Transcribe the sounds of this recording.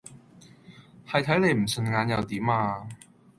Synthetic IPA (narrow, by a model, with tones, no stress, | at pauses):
hɐ˨jt̪ʰɐ˨˥jle˨˧jm̩˨˩sɵ˨˧nŋaː˨˧njɐ˨˧wt̪iː˨˥maː˧